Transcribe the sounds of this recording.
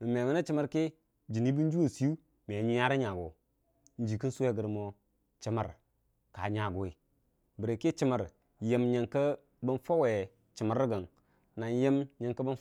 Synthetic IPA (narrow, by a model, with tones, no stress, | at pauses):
mə˨me˨bə˦na˦t͡ʃi˦mə˦ɾke˦ | d͡ʒi˨ni˦bi˦n˦d͡ʒu˦wo˨si˨˦u˦ | me˨ɲi˦ja˦ɾa˦ɲa˨ɡo̰˨ | n̩˨˦d͡ʒi˨ki˦su˦we˦ɡə˨ɾmo˨ | t͡ʃi˦ma̰˨ɾ | ka˨ɲa˨ɡo˨i˨ | bə˨ɾe˨ki˦t͡ʃi˦mə˨ɾ | je˦mɲe˨ŋkə˦ | bə˦nfo˦we˨ | t͡ʃi˨mə˨ɾːi˦ɡə˨n | na˨nje˦mɲe˨ŋkə˦bə˦n